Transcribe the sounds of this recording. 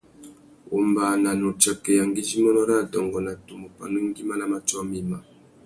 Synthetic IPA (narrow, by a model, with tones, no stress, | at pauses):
o̰˨mba˨na˨no˨t͡ʃa˨ke˨ja˨ŋɡi˦zi˦mɔ˦nɔ˦ɾa˦˨dɔ˨ŋɡɔ˨na˨tu˨mo˨pa̰˨no˦i˦ŋɡi˦ma˦na˦ma˨t͡ʃɔ˦mi˦ma˨